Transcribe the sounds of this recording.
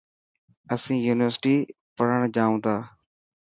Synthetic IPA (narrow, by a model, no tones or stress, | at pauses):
əsĩːjuːnɪʋəɾsʈiː | pəɽəɳ̃d͡ʒaːũːt̪aː